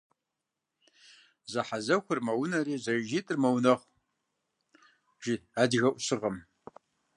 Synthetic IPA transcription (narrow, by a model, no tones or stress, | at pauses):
zɐħazɐxʷʊrmɐwʊnɐɾiːzɐʒitʼɨrmɐwnɐχʷ | ʒiaːdɣɐʔʷʊɕɨʁɐm